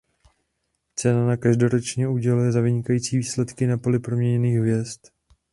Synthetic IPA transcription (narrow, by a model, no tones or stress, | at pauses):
t͡sɛnanakaʒdo̞ɾo̞t͡ʃɲɛuɟɛlujɛzavɪɲɪkajiːt͡siːviːslɛt̪kɪnapo̞lɪpɾo̞mɲɛɲɛniːxvjɛst̪